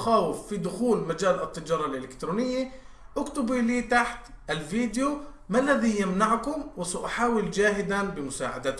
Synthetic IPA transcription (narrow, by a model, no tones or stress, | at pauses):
xaːwɪfːid̪ʊxuːlmad͡ʒaːlɪt̪ːɪd͡ʒɑːɾˤɑlʔɪlɪkt̪ɾuːnɪjːa | ʔʊkt̪ʊbiliːt̪aħt̪ | ʔɪlviːd̪jo | malːaðijɪmnaʕkʊmwɪsaʔaħaːwɪld͡ʒaːɦɪd̪anbɪmʊsaːʕa̰d̪a